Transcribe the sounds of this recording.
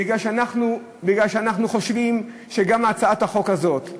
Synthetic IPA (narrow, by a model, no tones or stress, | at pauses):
biɡlalʃeanaχnu | biɡlalʃeanaχnuχo̞ʃvim | ʃeɡamat͡saat̪haχo̞kazo̞t̪